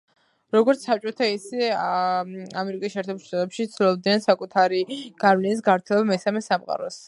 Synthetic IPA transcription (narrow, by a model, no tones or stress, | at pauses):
ɾɔɡɔɾt̪ssap̚t͡ʃʼɔt̪ʰaisɛ | amɛɾikʼisʃɛːɾt̪ʰɛbulˠʃt̪ʼat̪ʼɛpʃit̪silˠɔb̚d̪nɛnsakʼut̪ʰaɾiɡ̥aɾmlinis̬ɡavɾt̪ʰilˠɔbamɛsamɛsamqʼa̰ɾɔs